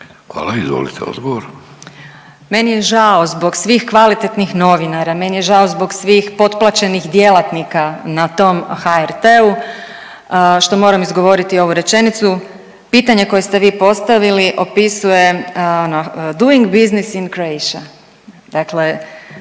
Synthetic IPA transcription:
xʋa̰ːlaizʋo̰lḭt̪eo̰d̪ɡoʋoɾ | me̞nije̞ʒao̞zbo̞ɡsʋiːxkʋalit̪e̞t̪nixno̞ʋinaɾame̞nije̞ʒaozbo̞ɡsʋiːxpo̞t̪plˠat͡ɕe̞nixd̪jelˠat̪nikanat̪o̞mxaeɾt̪eu | ʃt̪o̞mo̞ːɾamizɡo̞ʋo̞ɾit̪io̞ʋuɾet͡ʃe̞nit̪su | piːt̪aɲe̞ko̞jest̪eʋiːpo̞st̪aʋiliʔo̞pisuje̞onod̪uiŋɡbiznisinkɾoejʃa | d̪akle̞

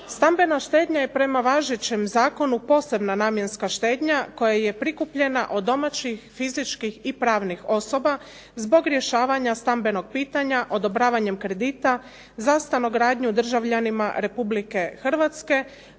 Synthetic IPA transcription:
st̪ambe̞naʃt̪e̞ːd̪ɲaje̞pɾe̞maʋaːʒet͡ɕemzaːko̞nupo̞ːse̞bnanaːmje̞nskaʃt̪e̞ːd̪ɲako̞jaje̞pɾikupʎe̞na̰ʔo̞d̪ːo̞mat͡ɕixfizit͡ʃkixipɾaːʋnixo̞so̞ba | zbo̞ɡɾje̞ʃaːʋaɲast̪ambe̞no̞ɡ̚piːt̪aɲaʔo̞d̪o̞bɾaːʋaɲe̞mkɾe̞d̪iːt̪a | zast̪anoɡɾaːd̪ɲud̪r̩ʒaʋʎanima̰ɾe̞publike̞xr̩ʋat̪ske̞

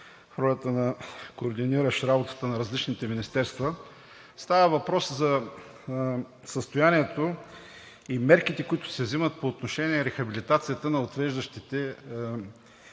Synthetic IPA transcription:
fɾɔlʲət̪ənɐkoːɾd̪iniɾəʃɾabot̪ə̥t̪ənɐɾɐzlit͡ʃnit̪ɛminist̪ɛɾst̪və | st̪avəvɐpɾɔszɐ | səst̪ojaniɛt̪o | imɛɾkit̪ɛkʊit̪ʊ̥sɛvzimət̪̚poːt̪noʃɛniɛɾɛxɐbilit̪at̪sijət̪ənɐot̪vɛʒd̪əʃt̪it̪ɛ

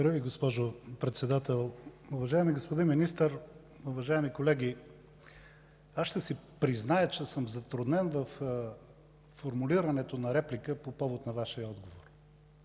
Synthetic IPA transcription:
d̪ɾəviɡospɔʒopɾɛt̪sɛd̪at̪ɛlˠuvɐʒaɛmiɡospod̪inminist̪əɾ | uvɐʒaɛmikolɛɡʲi | asʃt̪ɛsipɾiznajət͡ʃɛsɤmzɐt̪ɾʊd̪nɛnvɐf | oɾmuliɾɐnɛt̪onɐɾɛplikəpopɔvot̪nɐvaʃijəɔd̪ɡovoɾ

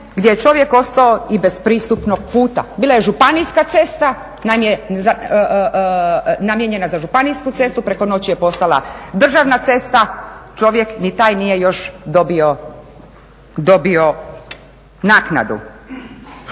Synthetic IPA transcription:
ɡd̪jejet͡ʃo̞ʋje̞ko̞st̪aoibe̞spɾiːst̪upno̞ɡ̚puːt̪a̰biːlˠaje̞ʒupanijskat̪se̞st̪a | namjeza | namjeɲe̞nazaʒupanijskut̪se̞st̪upɾe̞ko̞no̞t͡ɕije̞po̞st̪alˠa̰d̪r̩ʒaʋnat̪se̞st̪at͡ʃo̞ʋje̞knit̪aːjnije̞jo̞ʃd̪obio | d̪o̞bio̞ | naːkna̰d̪ṵ

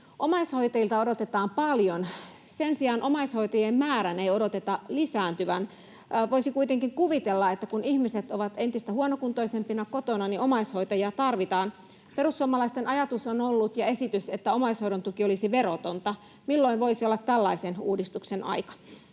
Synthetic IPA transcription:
ʔomɑisho̞jt̪ɑjilt̪ɑodot̪et̪ɑːmpɑljon | sensiɑːnʔomɑisho̞jt̪ɑjemmæːɾæneio̞dot̪et̪ɑlisæːnt̪yʋæn | ʋoisikuit̪eŋkiŋkuʋit̪elːɑet̪ːækunihmiset̪oʋɑt̪e̞nt̪ist̪æhuonokunt̪oisempinɑkot̪onɑniʔomɑisho̞jt̪ɑjiɑt̪ɑrʋit̪ɑːn | perusːuɑmːɑlɑist̪enɑjɑt̪usonolːut̪jɑe̞sit̪yset̪ːæo̞mɑishoiɾont̪ukiolisiʋerot̪ont̪ɑ | milːoinʋo̞isiolːɑt̪ːælːɑisenuːdist̪uksenʔɑ̰jkɑ̥

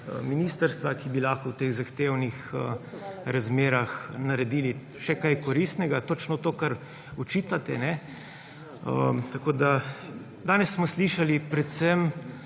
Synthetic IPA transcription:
ə̰miniːst̪əɾst̪ʋakibilaxkɔwt̪eːɣzaxt̪ewnixəɾazmeːɾaxnaɾɛd̪iːli | ʃɛkajkɔɾist̪nɛɡat̪ot͡ʃnɔt̪oːkaɾ | ɔt͡ʃiːt̪at̪ɛnɛ | ət̪akoːd̪a | d̪aːnɛsːmɔsliʃalipɾɛt̪sɛm

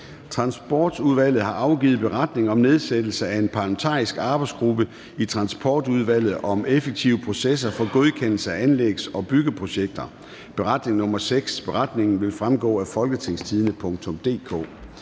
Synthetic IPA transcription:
t͡sʰʁɑ̈nsb̥ɒ̰ːd̥uðˠʋæl̰ð̞̩ˠhɑ̈ʔɑ̈ʊɡ̥ḭːð̞̩ˠb̥e̝ʁɑ̈d̥ne̝ŋɒ̽mne̝ð̞ˠsed̥l̩səæe̝npʰɑ̈lmet͡sʰɑ̰̈ːisɡ̥ɑ̈ːb̥ɑ̈ɪdsɡ̥ʁub̥ə | it͡sʰʁɑ̈nsb̥ʰɒːd̥uðˠʋæl̰ð̩ˠʔɒ̽mefeɡ̥̚t͡sʰiʊəpʰʁo̝ses̬ɐfɒ̽ɡ̥o̝ð̞ˠkʰen̰l̩səæænleɡ̥sɒ̽b̥yɡ̥əpʰʁo̝ɕeɡ̥̚d̥ɐ | b̥e̝ʁɑ̈d̥ne̝ŋnɔ̽mɐseɡ̥sb̥e̝ʁɑ̈d̥ne̝ŋn̩ʋe̝lfʁamɡ̥ɔ̰̽ːæfɒ̽lɡ̥ət͡sʰe̝ŋst͡sʰiðˠnəpʰɔ̽ŋt͡sʰɔ̽md̥e̝̰ːkʰɔ̰ː

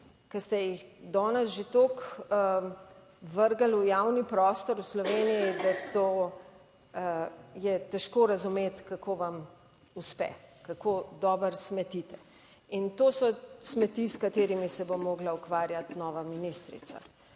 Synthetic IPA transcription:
kɐst̪ɛjixd̪ɔːnɛsʒet̪oːkə | ʋəɾɡalujawnipɾɔːst̪ɔɾuslɔʋeːnijid̪at̪oː | jɛt̪ɛʃkoːɾɐzumeːt̪kakʰoːʋam | uspɛ̰kakoːd̪ɔːbəɾsmɛt̪it̪ɛ | int̪oːsɔsmɛt̪iskat̪eːɾimisɛbomːoːɡlaukʋaːɾjat̪nɔːʋaminist̪ɾḭt̪sa̰

